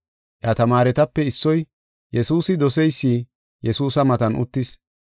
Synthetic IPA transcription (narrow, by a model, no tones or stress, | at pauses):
ʔat̪ɐmaːɾɛt̪ɐpːɛɪsːɔj | jɛsuːsɪd̪ɔsɛjsːiː | jɛsuːsɐmɐt̪ɐnʔʊ̰t̪ːɪs